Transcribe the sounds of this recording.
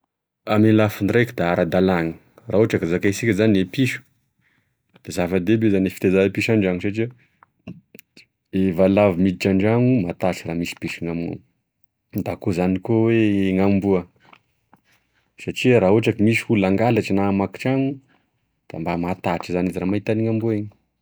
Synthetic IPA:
amelafinrejkid̪aaɾʔad̪alaŋi̥ | raːɦoʈ͡ʂakizakaisikʲazaniepiʃu̥ | d̪̥ezavad̪ebezanefi̥t̪ezaepiʃaɳɖ͡ʐaŋusaʈ͡ʂia | evalavimid̪iʈ͡ʂaɳɖ͡ʐaŋumat̪aʈ͡ʂiramisi̥piʃiŋamṵ | d̪akozanikoweŋambuə | saʈ͡ʂiaɾaːɦoʈ͡ʂakimisi̥hulaŋɡalaʈ͡ʂinamaki̥ʈ͡ʂaŋu | d̪̥a̰mbamat̪aʈ͡ʂizaniziɾamait̪aniŋambuaiɲi̥

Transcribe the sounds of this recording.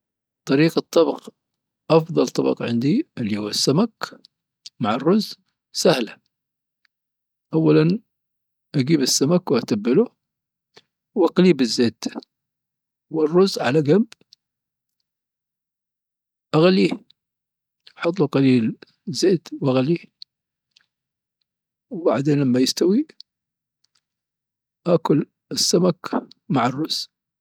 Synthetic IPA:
t̪ˤːɑɾiːqɨt̪ˤːɑbɑq | ʔɑfðˤɑlt̪ˤɑbɑ̰qʕɪ̰nd̪iʔɪlːihuːasːamak | maʕɑrːʊz | sahla | ʔawːalan | ʔaɡiːbɪsːamakwʔat̪abːɪlu | wʔaqliːbɪzːeːt̪ | wɪrːʊzʕa̰laɡamb | ʔaɣalːiː | ħɑt̪ˤːuqɑliːl | zːeːt̪wʔaɣalːiː | wbaʕd̪eːnlamːajɪst̪awi | ʔakʊl | ɪsːamakmaʕɑrˤːʊz̥

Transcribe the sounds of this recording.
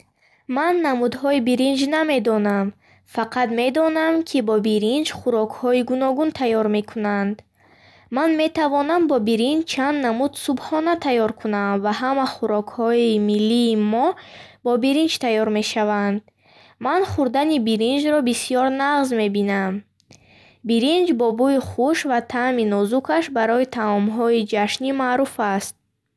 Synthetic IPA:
manːamud̪ɦɔibiɾind͡ʒname̞d̪ɔnam | faqʰad̪me̞d̪ɔnamkʰibɔbiɾind͡ʒχuɾɔkʰhɔiɡunɔɡunt̪ʰajːɔɾme̞kʰunand̪ | manme̞t̪ʰavɔnambɔbiɾind͡ʒt͡ʃʰand̪namud̪subhɔnat̪ʰajɔɾkʰunamvaɦamaχuɾɔkʰhɔimilːiːmɔbɔbiɾind͡ʒt̪ʰajɔɾme̞ʃavand̪̚ | manχuɾd̪anibiɾind͡ʒɾɔbisijɔɾnaʁzme̞binam | biɾind͡ʒbɔbuiχuʃvat̪ʰaminɔzukʰaʃbaɾɔit̪ʰamɔmɦɔid͡ʒaʃnimaːɾufast̪̚

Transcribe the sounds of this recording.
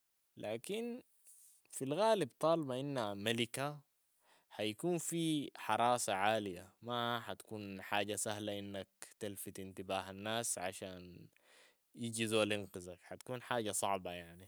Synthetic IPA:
lʔaːkin | filɣaːlibt̪ˤɑːlbɑʔinːamalika | hajakuːnfiħɑɾˤɑːsaʕaːlijamaħat̪ḁkuːnħaːɟasaɦlaʔinːak̚t̪alfit̪int̪ibaːɦanːaːsʕa̰ʃaːn | jiɟizoalɪnqɪzakħat̪ḁkuːnħaːɟasˤɑʕbɑjaʕni

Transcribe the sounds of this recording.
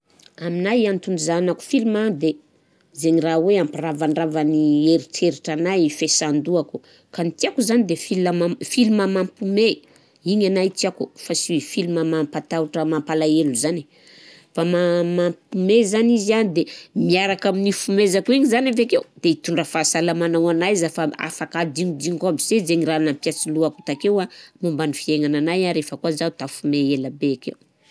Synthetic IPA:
aminajant̪uɳizanaku̥filumad̪e | zeɲiraweampiravaɳɖ͡ʐavanieɾit͡seɾiʈ͡ʂanajifesand̪uaku̥ | kanit̪iakuzanid̪efilamafiluməmampume | iɲanajt̪iakufasifiluməmampat̪auʈ͡ʂəmampalaeluzani̥ | famamampumezanizianid̪emiaɾakaminifumezakuiɲizanavakewd̪̥eit̪uɳɖ͡ʐəfaːsalamanawanajzafaa̰fakad̪iŋud̪iŋkabizezeŋiɾaanampjasiluaku̥t̪akewamambanifieŋananajaɾefəkuazat̪afumeelabeakew

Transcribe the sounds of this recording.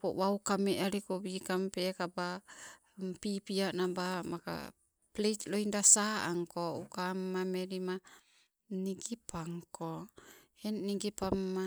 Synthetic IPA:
po̰waukameʔaɾikobikampekaba | mpipiaʔnabamaka̰ | pletloindasaaŋkoukamːameɾima | niɡipʰaŋkʰohenːiɡipamːa

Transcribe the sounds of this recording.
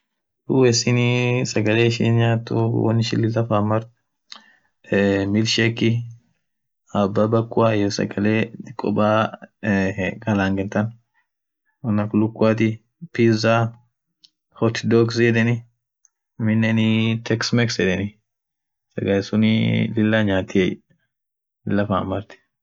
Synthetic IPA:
duwɛsɪnɪsɐɡɐleːɪʃḭːnɲaːt̪ːṵwɐ̰nːɪʃɪlːɪlɐfaːmːɐɾ | mɪlʃɛkːɪ | ɐbːabɐkʼːʊajɔsɐ̰ɡɐleːkʼːɔ̰baː | ɡɐlaːŋɡɛnt̪ɐn | wɐnːɐkʊlʊkːaːt̪̬ɪ | pizaː | hɔt̪d̪oksjɛd̪ɛnɪ | mɪnːɛnɪt̪ʰɛksmɛksɛd̪ɛnɪ | sɐɡɐlsʊnɪlɪlːaɲaːt̪ːɪɛj | lɪlːɐfamɐɾt̪ɪ̥

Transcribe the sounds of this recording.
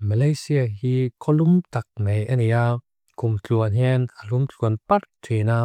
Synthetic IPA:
mɐlɐjsiaɦikʰɔlumt̪ɐk̚mejʔɐnija | kumt͡ɬuənɦɛnalumt͡ɬuənpɐrtʰwena

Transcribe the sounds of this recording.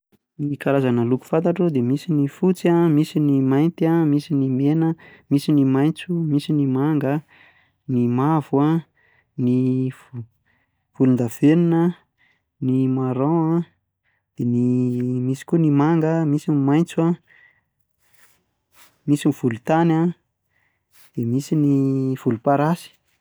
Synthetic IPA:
nikaɾazanəluku̥fant̪̬aʈ͡ʂud̪emisinifut͡siamisinimajnt̪amisinimenəmisinimajnt͡sumisinimaŋɡə | nimavua | ni | v̥ulind̪av̥eninə | nimaɾoa | d̪̥enimisi̥kunimaŋɡəmisinimajnt͡sua | misiniv̥ulut̪ana | d̪̥emisiniv̥ulupaɾasi̥

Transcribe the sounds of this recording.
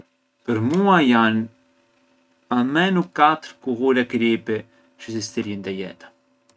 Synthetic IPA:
pəɾmuajan | amɛnukat̪əɾkuɣulɛkɾipɛ | t͡ʃəsist̪əɾind̪ɛjɛ̰t̪ḁ

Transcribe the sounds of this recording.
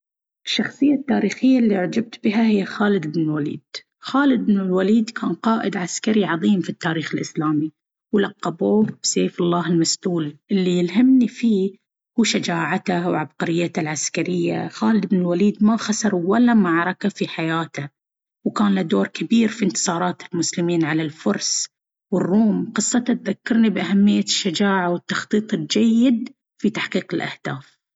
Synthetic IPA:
ʔɪʃːɑxsˤɨjːat̪ːaːɾiːxɪjːalːiʕd͡ʒab̚t̪bɪɦahɪjːaxaːlɪd̪ɪbnɪlwalḭːd̪̥ | xaːlɪd̪ɪbnɪlwaliːd̪kʰaːnqɑːʔɪd̪ʕaskaɾiʕɑðˤiːmfit̪ːaːɾiːxɪlʔɪslaːmi | wlɑqːɑboːbseːflːɑːɦɪlmast̪uːlʔɪlːijɪlɦamnifiː | huːʃad͡ʒaːʕat̪awʕab̚qɑɾɪjːat̪alʕaskaɾɪjːaxaːlɪd̪bnɪlwaliːd̪maxasɑɾˤwalːamaʕɾˤɑkafiħajaːt̪a | wkaːnlad̪oːɾˤkabiːɾfint̪ɨ̥sˤɑːɾˤɑːt̪ɪlmʊslɪmiːnʕalalfʊɾˤsˤ | wɪrːuːmqɨsˤːɑt̪at̪ðakːɑɾˤnibʔahamːɪjːaʃːad͡ʒaːʕawɪt̪ːɑxt̪ˤiːt̪ˤɪld͡ʒajːɪd̪ | fit̪aħqiːqɪlʔa̰hd̪̥aːf

